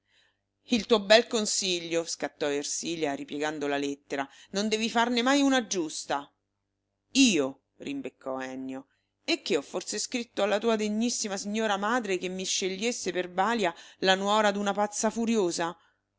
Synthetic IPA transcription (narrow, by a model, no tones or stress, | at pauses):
ilt̪uːobɛlkonsiʎːoskat̪ːɔersiːljaɾipjeɡand̪olalet̪ːeɾanond̪ɛːvifarnemajunad͡ʒust̪a | iːo | rʔimbekʰːɔɛnːjo | ekːeɔfːorseskɾit̪ːoalːat̪uːad̪eɲːisːimasiɲːoːɾamaːd̪ɾekemːiʃːeʎːesːeperbaːljalanwɔːɾad̪unapat̪sːafuɾjoːza